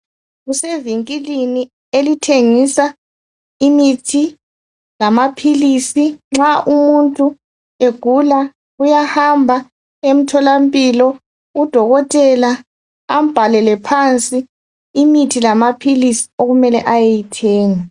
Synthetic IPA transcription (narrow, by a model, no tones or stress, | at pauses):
ɣuseviŋkʼilini | elitʰeŋisa | imitʰi | lamapʰilisiŋ͡ǁaʔumuntʼu | eɡ̥ʱula | ujahambʱa | em̩tʰɔlampʼilɔ | ud̥ʱɔɣɔtʼɛla | am̩b̥ʱalɛlɛpʰant͡sʼiː | mitʰilamapʰilisi̥oɣumɛlɛ̰ʔajejitʰɛːŋa